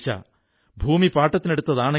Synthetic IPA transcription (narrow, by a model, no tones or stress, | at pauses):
t͡ɕːɐ̰ | bʱuːmipaːʈːɐt̪ːine̞ɽut̪ːɐðaːɳe